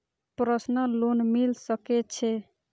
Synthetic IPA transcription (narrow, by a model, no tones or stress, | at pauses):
pɾəsnəlonmilsəkɛt͡ʃʰɛ